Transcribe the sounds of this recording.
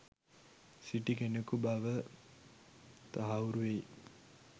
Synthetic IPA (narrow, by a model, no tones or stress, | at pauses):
siʈikenekubaʋə | t̪aɦauɾuʋej